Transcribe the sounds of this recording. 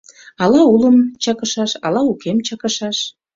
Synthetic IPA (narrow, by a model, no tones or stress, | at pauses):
ɑlɑuləmt͡ɕɑkəʃɑʃɑ̰lɑukemt͡ɕɑkəʃɑʃ